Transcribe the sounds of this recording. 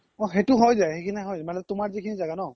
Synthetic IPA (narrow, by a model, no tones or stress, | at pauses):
ɔxetʊɦɔjzaxejkʰiniaɦɔjzɛmanɛɛtʊmaɹzikʰinizaɡanɔ